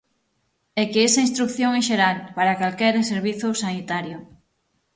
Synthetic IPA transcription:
ekeesaĩnst̪ɾukθjoŋeʃeɾalpaɾakalkɛɾaseɾβ̞iθʊsanit̪aɾjʊ

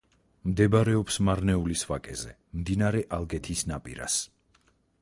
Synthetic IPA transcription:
md̪ɛbaɾɛɔpsmaɾnɛulisvakʼɛzɛ̰ | md̪inaɾɛʔalˠɡɛt̪ʰisnapʼḭɾa̰s

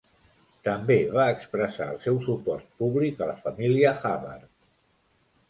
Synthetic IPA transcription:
t̪əmbeβ̞aəkspɾəsaəlˠsɛwsupɔɾt̪̚puβlikələfəmiliəxaβə̰ɾ

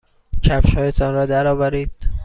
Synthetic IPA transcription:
t͡ʃʰæpʃhɒːjet̪ʰɒːnɾɒːd̪æɾɒːvæɾiːd̪̥

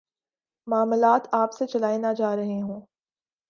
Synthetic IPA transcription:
maːmlaːt̪aːpset͡ʃɐlaːinad͡ʒaːɾɐɦeɦõː

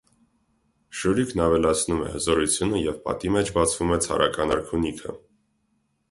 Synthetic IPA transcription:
ʃuɾikʰnɑvɛlɑt͡sʰnumɛ̰həzɔɾut͡sʰjunəjɛvpɑ̰t̪imɛt͡ʃʰbɑt͡sʰv̥umɛt͡sʰɑ̰ɾʔɑ̰kɑnɑɾkʰunikʰə̰

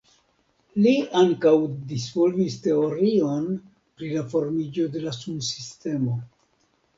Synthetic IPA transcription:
liaŋkawdisvolviste̞o̞ɾio̞n | pɾilafo̞ɾmid͡ʒo̞de̞lasumsiste̞mo̞

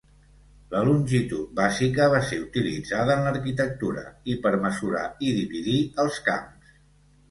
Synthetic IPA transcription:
ləlunʲʒit̪ut̪̚bazikəβ̞aseut̪ilḭd͡zaðəːnləɾkit̪ək̚t̪uɾə̰ipəɾməzuɾa̰iðiβiðiəlˠska̰ms

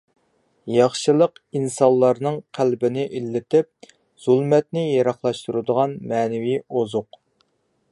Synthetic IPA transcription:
jɑχʃɨlˠəqinsɑlˠːɑɾnɨŋqʰælbɪnɪʔilːɪt̪ɪp̚ | z̥ulˠmɛt̪̚nɪjeɾɑχlˠɑʃt̪uɾɨd̪əʁɑnmɛːnɪvijozʊq

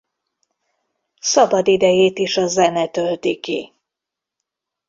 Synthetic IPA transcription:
sɒbɒd̪id̪ɛjeːt̪iʃɒzɛnɛt̪ølt̪ikḭ

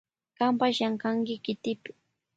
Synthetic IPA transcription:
kampaʃjaɴkaŋkɪkɪt̪ɪpɪ̥

